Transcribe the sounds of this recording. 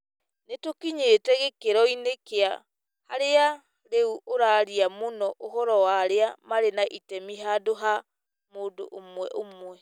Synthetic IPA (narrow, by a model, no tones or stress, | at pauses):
netokiɲetɛɣekeɾɔinekea | haɾea | ɾeuoɾaːɾiamonɔʔoɦɔɾɔwaɾeamaɾenaʔitɛmiɦadoɦa | moːdo̰ʔomwɛʔomwɛ